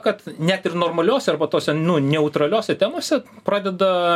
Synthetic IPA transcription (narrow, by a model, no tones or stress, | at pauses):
kɐt̪nʲæt̪ɪrnoːrmɐlʲoːsʲɛɐrbɐt̪oːsʲɛnʊnʲɛʊt̪ɾɐlʲoːsʲɛt̪ʲæːmoːsʲɛpɾɑːd̪ʲɛd̪ɐ